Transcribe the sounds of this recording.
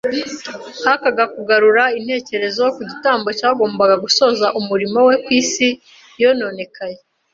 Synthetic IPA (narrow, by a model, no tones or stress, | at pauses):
hakaɡakuɡaɾuɾain̥he̞ːce̞ɾe̞zo̞kuɟitaːmbo̞caːɡo̞ːmbaɡaɡuso̞ːzaʔumuɾimo̞we̞kwiːsi | jo̞no̞ːne̞kʰaje